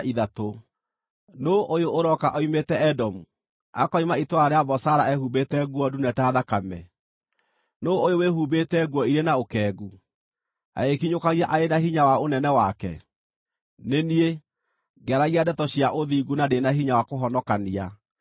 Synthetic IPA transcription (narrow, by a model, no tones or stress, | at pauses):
iðato | noʔojooɾɔkaʔɔimetɛɛdɔmu | akɔimaitwaɾeaβɔsaɾaɛhubetɛɣwɔdunɛtaðakamɛ̰ | noojowehubetɛɣwɔiɾenaokɛːɣɡu | a̰ekiɲokaɣiaʔaenaɦiɲawaonɛnɛwakɛ̰ | nenie | ɡɛɾaɣiadɛtɔɕijaʔoðiɡunadenaɦiɲawakoɦɔnɔkania